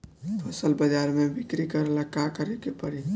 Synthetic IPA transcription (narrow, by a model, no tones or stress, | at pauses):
əsəlbəd͡ʒaɾmebikɾikəɾelakakəɾɛkepəɽi